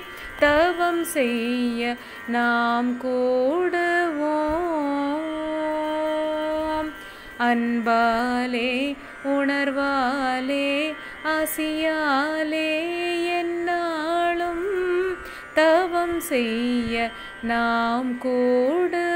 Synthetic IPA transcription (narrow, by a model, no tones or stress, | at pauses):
t̪ɐʋɐmsɛjːɐ | naːmkuːɽɐʋoː | ɐnbaːleː | ʊɳɐɾʋaːleː | asɪjaːleːɛnːaːlɯm | t̪ɐʋɐmsɛjːɐ | naːmkuːɽɐ